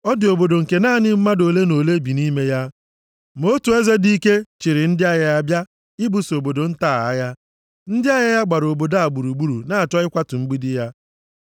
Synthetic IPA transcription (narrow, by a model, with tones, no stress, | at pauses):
ɔ˦dɪ˨o˨bo˨do˨ŋ̩˨ke˨naː˦˨nɪ˦m̩˦ma˦do˨le˦no˨le˦bi˨ni˦me˦ja˦ | mo˦tu˨e˦ze˦di˦ke˦t͡ʃɪ˨ɾɪ˨n̩˦dɪ˦a˦ja˦a˦bja˦ | ɪ˦bu˨so˨bo˨do˨n̩˦taː˦˨a˦ja˦ | n̩˦dɪ˦a˦ja˦ja˦ɡ͡ba˨ɾo˨bo˨da˦a˨ɡ͡bu˨ɾu˨ɡ͡bu˦ɾu˨na˦a˨t͡ʃɔ˦ɪ˦kʷa˦tʊ˨ŋ͡m̩˦ɡ͡bi˦dɪ˦ja˦